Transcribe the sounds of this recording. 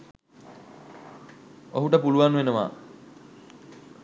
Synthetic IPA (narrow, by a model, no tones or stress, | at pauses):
oɦuʈəpuluʋanʋenəʋa̰ː